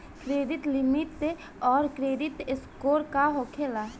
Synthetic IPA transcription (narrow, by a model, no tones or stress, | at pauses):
kɾeːdɪt̪lɪmɪʈː | ɔːɾkɾeːdɪt̪ɪskoːɾkaɦoːkʰeːla